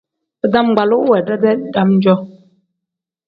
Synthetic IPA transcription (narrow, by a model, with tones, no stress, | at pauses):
pə˦˨da˦m˨ɡ͡ba˨lu˦ʔwɛ˨dɛ˦dɛ˦da˦mn̩˦d͡ʒɔ˦